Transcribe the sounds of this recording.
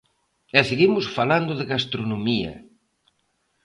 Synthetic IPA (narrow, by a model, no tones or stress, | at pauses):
ɛseɣimʊsfaland̪ʊðɪɣast̪ɾonomiɐ̰